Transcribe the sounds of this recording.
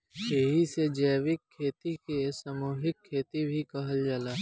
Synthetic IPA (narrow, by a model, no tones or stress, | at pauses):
ʃeːɦised͡ʒɛːʋɪkʰːeːt̪ikesəmuːɦɪkʰːeːt̪ibʱikɐɦəld͡ʒaːlaː